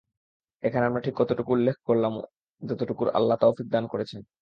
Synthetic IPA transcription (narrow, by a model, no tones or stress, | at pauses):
ekʰaneamɾaʈʰikːɔt̪oʈukuulːek̚ʰkoɾlam | d͡ʑɔt̪oʈukuɾa̰lːat̪ofik̚d̪ankoɾet͡ɕʰen